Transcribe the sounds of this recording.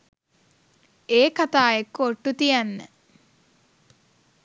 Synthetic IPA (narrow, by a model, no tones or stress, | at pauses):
eːkat̪aːekːoʈːut̪ijanːə